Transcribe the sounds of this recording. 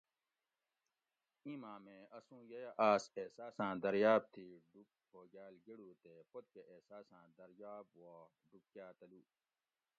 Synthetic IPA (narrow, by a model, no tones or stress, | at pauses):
ĩmãːmẽɐsũːjɐjaʔaːseːsaːsãːd̪ɐɾjaːb̚t̪ʰiːɖuk̚ | hʰoːɡaːlɡiɽuːt̪epod̪̚keʔeːsaːsãːd̪ɐɾjaːbwaː | ɖup̚kjaːt̪ɐluː